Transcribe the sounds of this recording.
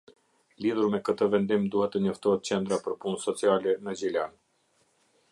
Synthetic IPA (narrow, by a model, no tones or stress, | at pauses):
liðuɾmɛkət̪əvɛnd̪imd̪uhɛt̪ːəɲɔft̪ɔhɛt̪̚t͡ɕɛnd̪ɾapəɾpunsɔt͡sialɛnəd͡ʑilan